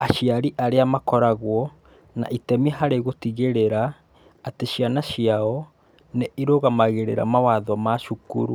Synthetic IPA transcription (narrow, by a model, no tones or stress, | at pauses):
aɕiaɾiʔaɾeamakɔɾaɣwɔ | na̰ʔitɛmiɛɦaɾeɣotiɣeɾeɾaː | teɕianaɕiaɔ | neiɾoɣamaɣeɾḛɾa̰mawaðwamaʃukṵɾṵ